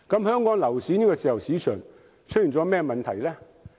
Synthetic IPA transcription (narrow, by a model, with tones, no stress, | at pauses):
kɐ˨˥mhœː˥ŋkɔː˨˥ŋlɐ˨˩wsiː˨˥niː˥kɔː˧t͡siː˨˩jɐ˨˩wsiː˨˥t͡ʃʰœː˨˩ŋ | t͡ʃʰɵ˥ji˨˩nt͡sɔː˨˥mɛː˥mɐ˨nt̪ʰɐ˨˩jlɛː˥